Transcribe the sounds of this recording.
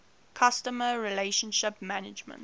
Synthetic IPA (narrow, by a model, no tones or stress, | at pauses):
kʰastəməɹileɪʃə̃nʃɪpmænɪd͡ʒmə̰̃nt